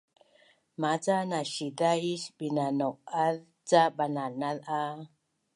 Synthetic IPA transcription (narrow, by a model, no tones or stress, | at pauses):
mat͡sanaɕidaiɕbinanoʔað | t͡sabananaða